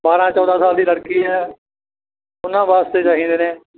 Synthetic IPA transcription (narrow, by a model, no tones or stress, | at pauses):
baːɾãːt͡ʃɔːd̪ʱãːsaːld̪iːləɽkiːɦɛː | ʊnãːʋaːst̪eːt͡ʃaːɦĩːnd̪eːneː